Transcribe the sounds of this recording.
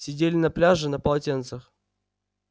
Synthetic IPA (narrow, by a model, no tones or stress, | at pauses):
sʲɪdʲelʲɪnɐplʲaʐɨnɐpəlˠɐtʲent̪səx